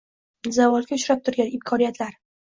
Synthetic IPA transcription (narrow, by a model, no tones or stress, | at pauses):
zavɒlˠɡʲaʊʃɾap̚t̪ʰʊɾɡʲanɪmkʰɒnijat̪laɾ